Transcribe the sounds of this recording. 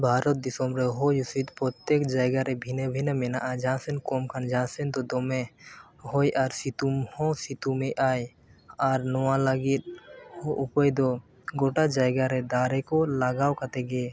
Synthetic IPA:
bʱaːɾɔt̪̚d̪isomɾeɦojusit̪pɾɔt̪jekd͡ʒaːɪɡaɾebʱinebʱinəmenaʔad͡ʒãːsənkoːmkʰand͡ʒãːsənt̪od̪ome | ɦojʔaɾsit̪uhõsit̪umẽʔaːj | aɾnɔwãlaɡit̪̚hoʔupəjd̪o | ɡoʈad͡ʒaːjɡaɾed̪aːɾekolaɡaːwkət̪eɡe

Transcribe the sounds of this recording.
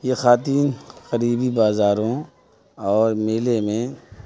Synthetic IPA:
jexaːt̪iːnkəɾiːbibaːzaːɾõ | ɔːɾmeːlemẽ

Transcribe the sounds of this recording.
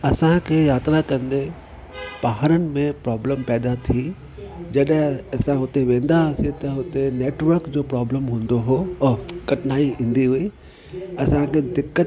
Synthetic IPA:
ɐsãkʰeːjaːt̪ɾakɐ̃nd̪e | baɦəɾənɪ̆mẽpɾaːbləmpɛːd̪at̪ʰi | d͡ʑɐɗɦɪ̃ɐsãɦʊt̪eʋẽːn̆d̪aːset̪ɐɦʊt̪eneːʈʋəɾkd͡ʑoːpɾaːbləmɦũːnd̪oɦõkɐʈnaːiĩːn̆d̪iɦʊi | ɐsãkʰed̪ɪkːə

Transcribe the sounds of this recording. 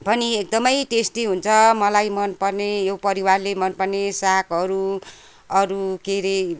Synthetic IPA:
bʱʌniek̚d̪ʌmʌjʈesʈiɦunt͡sʰʌmʌlajmʌnpʌrnejowpʌɾiwarlemʌnpʌrnesakʌɾu | ʌɾukeɾe

